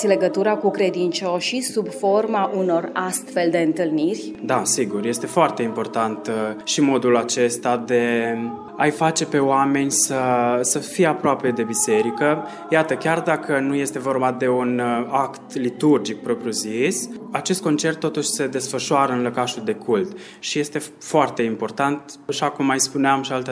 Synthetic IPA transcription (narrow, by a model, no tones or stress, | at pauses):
le̞ɡət̪uɾakukɾe̞d̪int͡ʃo̞ʃisubfo̞rmaʔuno̞rast̪fe̞ld̪e̞ɨnt̪ɨlnirʲd̪asiɡurje̞st̪e̞foart̪e̞impo̞rt̪ant̪ʃimo̞d̪ulat͡ʃe̞st̪ad̪e̞ | ajfat͡ʃe̞pe̞oame̞nʲsəsəfijeapɾoape̞d̪e̞bise̞ɾikə | jat̪əkʲard̪akənuje̞st̪e̞vo̞rbad̪e̞unakt̪lit̪urd͡ʒik̚pɾo̞pɾjuziesat͡ʃe̞st̪̚ko̞nt͡ʃe̞rt̪ːo̞t̪uʃʲse̞d̪e̞sfəʃoaɾəɨnləkaʃuld̪e̞kʰult̪ | ʃije̞st̪e̞ | foart̪e̞impo̞rt̪ant̪aʃakumːajspuneamʃialt̪